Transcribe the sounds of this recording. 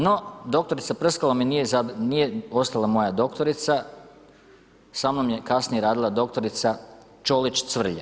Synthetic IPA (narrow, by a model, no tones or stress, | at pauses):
no̞d̪o̞k̚t̪oɾit̪sapr̩skalaminijezanije̞o̞st̪alˠamo̞jad̪o̞kt̪o̞ɾit̪sa | samnomje̞kasnijeɾaːd̪ilˠad̪o̞k̚t̪o̞ɾit̪sa | t͡ʃo̞lit͡ʃt̪sʋr̩ʎa